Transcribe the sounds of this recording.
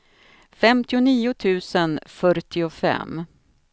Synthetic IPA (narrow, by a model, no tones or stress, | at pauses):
fɛmt̪ɪʊniːʊt̪ʰʉ̟ːsənfœɾʈɪʊfɛ̰m